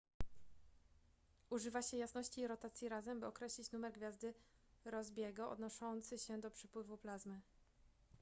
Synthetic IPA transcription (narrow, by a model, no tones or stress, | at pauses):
uʐɘvaɕɛjasnɔɕt͡ɕiɾɔt̪at̪sʲjiɾazɛmbɘɔkɾɛɕlʲit͡ɕnumɛɾɡvʲjazd̪ɘ | ɾɔzbʲjɛɡɔɔ̰d̪nɔʂɔnt̪sɘɕɛd̪ɔpʂɘpwɘvuplazmɘ